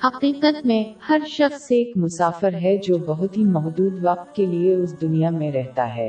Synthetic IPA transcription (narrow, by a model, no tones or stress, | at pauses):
ɐkiːkət̪mẽhɐɾʃɐxsːeːkmʊsaːfɪɾɦɛd͡ʒoːbɐɦʊt̪ɦimɔɦd̪uːd̪ʋɐq̚t̪̚kelieʊsd̪ʊnijamẽɾɛɦt̪a̰ɦɛ̰ː